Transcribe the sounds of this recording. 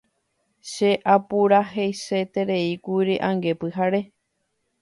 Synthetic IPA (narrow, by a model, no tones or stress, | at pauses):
ʃeʔapuɾaɦejse̞t̪e̞ɾe̞ikuiɾiʔãŋɡe̞pɨɦaɾe̞